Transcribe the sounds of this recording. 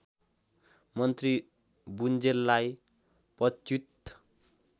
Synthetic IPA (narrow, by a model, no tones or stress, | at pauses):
mʌnt̪ri | bund͡zellaj | pʌt͡ʃut̪ː